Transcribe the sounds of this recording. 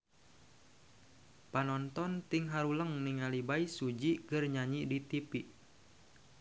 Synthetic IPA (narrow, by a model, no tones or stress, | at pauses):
panɔnt̪ɔnt̪iŋɦaɾuləŋniŋalibaisud͡ʒikɨrɲaɲidit̪ipiʔ